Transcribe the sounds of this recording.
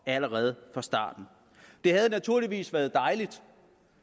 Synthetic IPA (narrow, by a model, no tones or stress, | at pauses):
æləʁɛːð̞̩ˠfɑ̈sd̥ɑ̰̈ːd̥n̩ | d̥e̝hæð̞ˠnæt͡sʰuɐ̰liʋḭːsʋæːɐð̞̩ˠd̥ɑ̈ɪlid̥